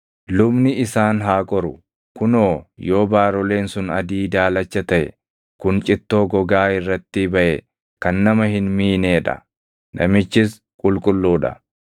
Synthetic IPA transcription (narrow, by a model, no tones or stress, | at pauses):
lʊbnɪɪsaːnɦaːkʼɔɾʊ | kʊnoːjo̞ːbaːɾɔle̞ːnsʊnɐ̰d̪iːd̪aːlɐt͡ʃːɐt̪ɐʔɛ̰ | kʊnt͡ʃʼɪt̪ːo̞ːɡɔɡaːɪrːɐt̪ːɪbɐʔɛ | kɐnːɐmɐɦɪnmiːneːᶑɐ̰ | nʔɐ̰mɪt͡ʃːɪs | kʼʊlkʼʊlːuːᶑɐ̰